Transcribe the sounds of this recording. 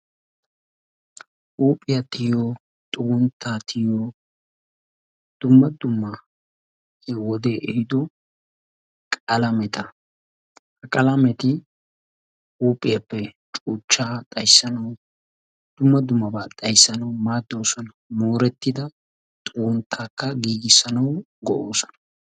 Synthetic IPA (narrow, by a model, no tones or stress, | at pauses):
ʔuːpʼːɪjɐt̪ɪjjo | t̪ʼuːnt̪ʰːat̪ʰɪjjo | d̪̥ʊmːɐd̪ʊmːɐ | ɛwɔd̪eːʔɛhɪd̪ɔ | kʼɐlɐmɛt̪ʰɐ | hɐkʼɐlɐmɛt̪ɪ | uːpʼːɪjɐpːɛt͡ʃʼuːt͡ʃːaːt̪ʼɐjsːɐnɐw | d̪̥ʊmːɐd̪ʊmːɐbat̪ʼɐjsːɐnɐwmaːd̪ːo̞ːsɔnɐmoːɾɛt̪ːɪd̪ɐ | t̪ʼʊwʊnt̪ʰːaːkːɐɡiːɡɪsːɐnɐw | ɡɔʔoːsɔ̥nɐ